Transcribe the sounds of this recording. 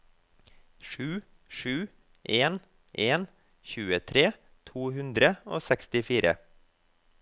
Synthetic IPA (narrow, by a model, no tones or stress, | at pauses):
ʃʉː | ʃʉː | ʔeːn | ʔeːn | çʉːət̪ʰɾeː | t̪ʰuːhʉnd̪ɾəoːsɛkst̪ɪfiːɾə̰